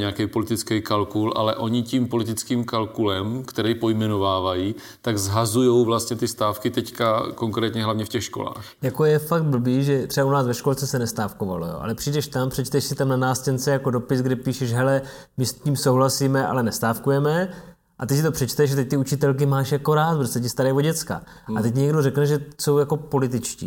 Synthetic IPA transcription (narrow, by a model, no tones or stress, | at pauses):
ɲɛakɛjpo̞lɪt̪ɪt͡skɛjkalkulʔa̰lɛ̰ʔo̞ɲɪcimpo̞lɪt̪ɪt͡skiːmkalkulɛmkt̪ɛɾɛjpo̞jmɛno̞vaːvajiː | t̪aɡzɦazujo̞wvlast̪ɲɛt̪ɪst̪aːfkɪt̪ɛckakoŋkɾɛːt̪ɲɛɦlavɲɛfcɛxʃkola̰ːxjako̞jɛfak̚t̪̚bl̩biːʒɛt̪r̥ɛbaunaːsvɛʃko̞lt͡sɛsɛnɛst̪aːfko̞va̰lo̰jo̰ʔa̰lɛpr̥iːdɛʃt̪ampr̥ɛt͡ʃt̪ɛʃsɪt̪amnanaːscɛnt͡sɛjako̞do̞pɪsɡdɛpiːʃɛʃɦɛlɛ | mɪsciːmsowɦlasiːmɛʔa̰lɛnɛst̪aːfkujɛmɛ | ʔat̪ɛcsɪt̪o̞pr̥ɛt͡ʃt̪ɛʃat̪ɛc̚t̪ɪut͡ʃɪt̪ɛlkɪmaːʃjako̞ɾaːt̪bɾost̪ːɛc̬ɪst̪aɾɛjvo̞ɟɛt͡ska̰a̰t̪ɛc̚ɪɲɛɡdo̞rɛknɛʒɛso̞wjako̞po̞lɪt̪ɪt͡ʃcḭː